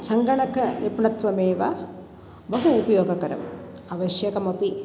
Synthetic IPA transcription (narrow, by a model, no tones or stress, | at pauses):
sɐŋɡɐɳɐkʰɐnipɳɐt̪ʋɐmeːʋa | bɐɦuːpɐjoːɡɐkɐɾɐ̰m | ɐʋɐɕjɐkɐmɐpi